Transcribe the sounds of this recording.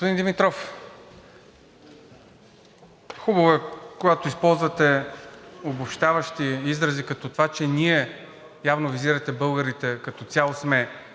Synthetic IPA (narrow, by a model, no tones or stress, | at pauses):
ospod̪ind̪imit̪ɾɔf | xubəvəkoɡat̪ʊispɔlˠzvɐt̪ɛ | obopʃt̪avɐʃt̪iizɾɐzikɐt̪ɔt̪ovat͡ʃɛniɛ | javnoviziɾɐt̪ɛbɤlˠɡəɾit̪ɛkɐt̪ɔt̪sʲalˠosmɛ